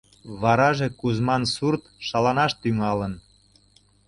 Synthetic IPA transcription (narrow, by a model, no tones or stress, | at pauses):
βɑɾɑʒekuzmɑnsurt̪ʃɑlɑnɑʃt̪yŋɑlən